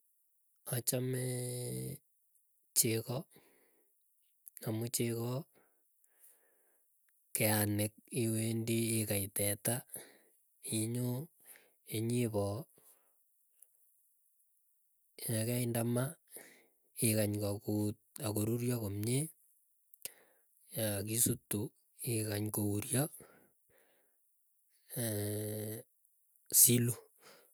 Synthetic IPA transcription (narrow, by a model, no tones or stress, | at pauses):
at͡ʃamɛ | t͡ʃekɔ | amut͡ʃekɔ | keanɪk̚iwendiːkaitɛta | iɲo | eɲiβɔ | jakɛindama | ɪkaɲkakut̚akoɾuɾjɔkomɲe | jakisutːu | ɪkaɲkouɾjɔ | silu